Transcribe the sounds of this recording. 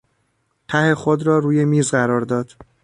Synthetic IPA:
t̪ʰæhe̞xod̪ɾɒːɾuːje̞miːzɢæɾɒːɾd̪ɒːd̪̥

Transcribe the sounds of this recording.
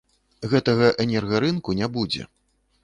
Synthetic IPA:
ɣɛt̪ɐɣɐʔɛnʲɛrɣɐɾɨnkunʲabud͡zʲɛ̰

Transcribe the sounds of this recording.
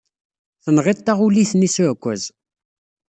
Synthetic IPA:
θənʁit̪ːaʁuliθnisuʕkʷːəz

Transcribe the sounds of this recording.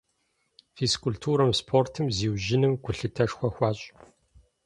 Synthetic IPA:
fiskʰʊltʰuːɾɐmspʰoːrtʰɨmziːwʒɪnɨmɡʷʊɬɨtʰɐʂxʷɔxʷɑːɕʼ

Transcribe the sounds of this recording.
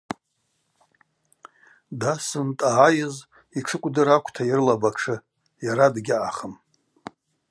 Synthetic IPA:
dasɨntʼaːjɪz | iʈ͡ʂʰɨkʷʼdɨɾakʷʰʼtʰairlabaʈ͡ʂʰɨ | jaɾadɡʲɪʔaχəm

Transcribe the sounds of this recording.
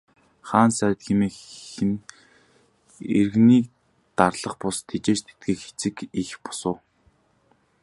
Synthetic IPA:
χaːnsæɾ̆ʲt̪xemeːxɘ̆n | ḛrɣniːk | t̪arɮə̆χpʊst̪ʰet͡ɕeːt͡ɕt̪ʰe̥t̪̚ɡeːkxe̥t͡sɘ̆kixpɔ̥sʊ̆ː

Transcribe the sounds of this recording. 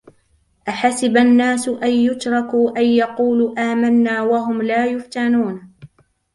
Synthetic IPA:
ʔaħasɪbanːaːsʊʔajːʊt̪ɾˤɑkuːʔajːɑquːluːʔaːmanːaːwaɦʊmlaːjʊft̪anuːn

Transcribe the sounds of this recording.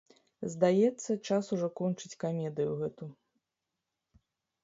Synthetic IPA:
zd̪ajɛt̪sːɐt͡ʂasuʐɔkɔnt͡ʂɨt͡sʲkamʲɛd̪ɨjuɣɛt̪u

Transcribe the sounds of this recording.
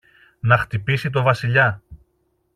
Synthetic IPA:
nɐxt̪ipisit̪̬o̞vɐsiʎɐ

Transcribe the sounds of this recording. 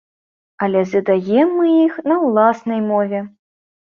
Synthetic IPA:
ɐlʲɛzʲɨd̪ajɛmːɨixnɐwlˠasnɐjmɔvʲɛ

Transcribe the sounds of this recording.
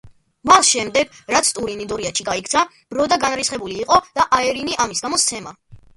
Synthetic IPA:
masʃɛmd̪ɛɡ̥ɾat̪sʰt̪ʼuɾinid̪ɔɾiaʃiɡaikʰt̪sʰa | b̥ɾɔd̪aɡanɾisχɛbuliːqʼɔd̪̥aʔaɛɾiniʔamisɡamɔst̪sʰɛma

